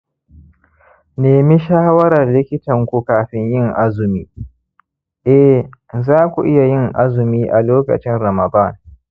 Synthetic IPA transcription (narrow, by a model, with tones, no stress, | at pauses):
neː˨mi˦ʃaː˦wɐ˦ɾɐ˨rlɪ˦kʲɪ˦tɐ˨ŋkʷu˦kaː˨ɸɪ˦ɲjɪ˦ŋʔa˦zʊ˨miː˦ | ʔɛ˦zaː˦kʷu˨ʔɪ˦ja˨jɪ˦ŋʔa̰˦zʊ˨miː˦ʔa˨loː˦kɐ̰˨t͡ʃɪ˦nɾɐ˨mɐ˨da˦˨n